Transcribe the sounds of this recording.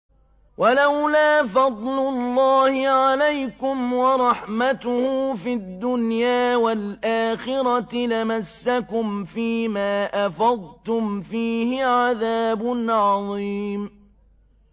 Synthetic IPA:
wʔalawlaːfɑd̪ˤlʊlˤːɑːhɪʕalajkʊmwɑɾˤɑħmat̪ʊhʊːfid̪ːʊnjaːwalʔaːxɪɾɑlamasːakʊmfiːmaːʔafɑðˤt̪ʊmfiːhɪʕaðaːbʊnʕɑðˤiːm

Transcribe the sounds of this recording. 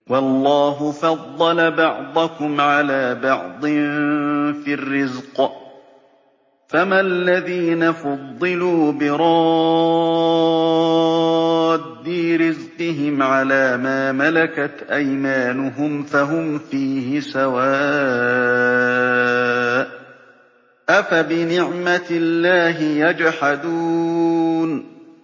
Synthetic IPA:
wɑlˤːɑːɦʊfɑd̪ˤːɑlabɑʕd̪ˤʊkʊmʕalaːbɑʕd̪ˤɪnfirːɪzq | famalːaðiːnafɑd̪ˤːɨluːbɪɾˤɑ | d̪ːiːɾɪzqɪɦɪmʕalaːmaːmalakat̪ʔajmaːnʊɦʊmfaɦʊmfiːhɪsawaː | ʔafabɪnɪʕmat̪ɪlːaːɦɪjad͡ʒħad̪uː | n

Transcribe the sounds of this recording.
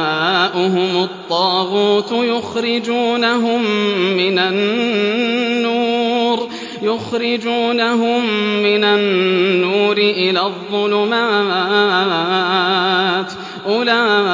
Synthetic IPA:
aaːʔʊɦʊmʊt̪ˤːɑːɣuːt̪jʊxɾɪd͡ʒuːnaɦʊmːɪnan | uːɾ | jʊxɾɪd͡ʒuːnaɦʊmːɪnanːuːɾɪʔɪlaːðˤːʊlʊmaaː | t̪ | ʔʊlaː

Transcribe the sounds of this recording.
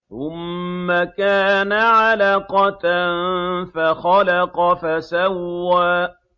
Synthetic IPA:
θʊmːakaːnaʕalaqɑt̪nfaxɑlɑqɑfasawːaː

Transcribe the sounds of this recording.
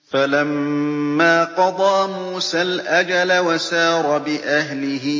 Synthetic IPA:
falamː | aːqɑd̪ˤɑːmuːsaːlʔad͡ʒalawasɑːɾˤɑbɪʔaɦlɪɦɪ

